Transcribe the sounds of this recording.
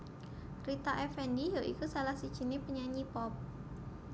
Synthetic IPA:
rit̪aʔɛfɛndijoʔḭkusalahsid̥ʒ̥i̤nepəɲaɲipɔp̚

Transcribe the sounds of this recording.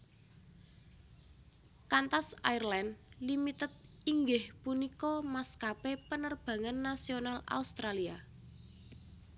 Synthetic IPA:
kant̪asairlanlimit̪ət̪̚ | iŋɡɪhpunikɔmaskapepənərb̥a̤ŋənːasionala̰ust̪ɾalia

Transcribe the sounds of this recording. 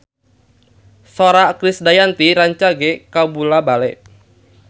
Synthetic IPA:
soɾakɾisdajant̪iɾaɲt͡ʃaɡekabulabalɛʔ

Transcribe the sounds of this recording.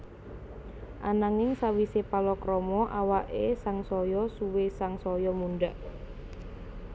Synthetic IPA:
ʔanaŋɪŋsawisepalɔkɾɔmɔʔawaʔesaŋsɔjɔsuwesaŋsɔjɔmunɖaʔ

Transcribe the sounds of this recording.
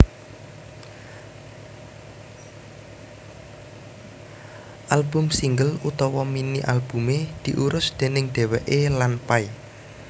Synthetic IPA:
ʔalbʊ̤msiŋɡəlut̪ɔwɔminiʔalb̥ṳmed̪̥i̤ʔuɾʊsd̪̥e̤nɪŋɖ̪̥e̤wɛʔelanpai

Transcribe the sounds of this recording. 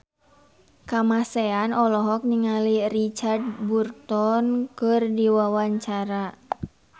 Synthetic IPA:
kamasɛanɔlɔɦɔk̚niŋalirit͡ʃard̚burt̪ɔnkɨrdiwawaɲt͡ʃaɾa

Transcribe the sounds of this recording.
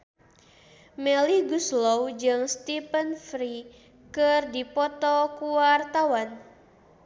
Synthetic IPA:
mɛliɡuslɔwd͡ʒɨŋst̪ipənfɾi | kɨrdipɔt̪ɔkuart̪awan

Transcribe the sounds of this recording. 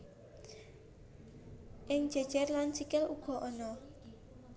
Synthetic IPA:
ʔɪŋ̥ʒ̥ɛ̤d̥ʒ̥ɛrlant͡ʃikɪluɡ̥ɔ̤ʔɔnɔ

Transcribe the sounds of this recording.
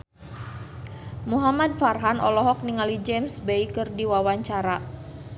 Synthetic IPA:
muɦamad̚farɦanɔlɔɦɔk̚niŋalid͡ʒɛmsbeikɨrdiwawaɲt͡ʃaɾa

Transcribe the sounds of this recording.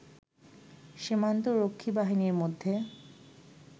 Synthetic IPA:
ʃimant̪oɾokʰːibaɦiniɾmod̪ʱːe

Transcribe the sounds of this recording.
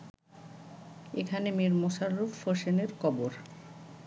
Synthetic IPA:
ekʰanemeɾmoʃaɾːuffoʃeneɾkɔboɾ

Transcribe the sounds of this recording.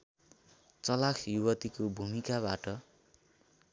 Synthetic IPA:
t͡sʌlakʰjuwʌt̪ikobʱumikaβaʈʌ

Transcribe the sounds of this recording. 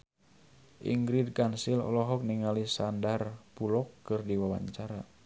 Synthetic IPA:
ʔḭŋɡɾid̚kansilɔ̰lɔɦɔk̚niŋalisandarpulɔkːɨrdiwawa̰ɲt͡ʃaɾa

